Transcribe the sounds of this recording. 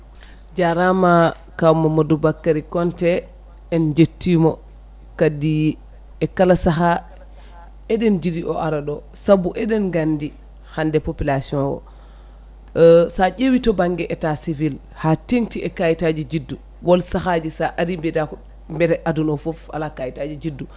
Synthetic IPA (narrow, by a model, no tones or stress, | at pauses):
d͡ʒaɾama | kawmamɔdubakːaɾikɔntɛ | ɛnd͡ʒetːimɔ | kadi | ɛkalasaɦa | ɛɗɛnd͡ʒidiʔɔ̰ʔaɾaɗɔ | sabuʔɛɗɛnɡandi | handɛpopilasiɔ̃nwɔ̰ | saʄewitɔbaŋɡɛʔɛtasivil | hateŋtiɛkajitad͡ʒid͡ʒidːu | wɔlsahad͡ʒisaʔaɾimbɛdakɔ | mbɛɾɛʔadunɔfɔfa̰lakajitad͡ʒid͡ʒidːu